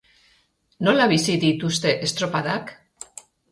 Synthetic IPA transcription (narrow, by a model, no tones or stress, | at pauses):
no̞laβisiðit̪ust̪e̞ʔest̪ɾo̞paðak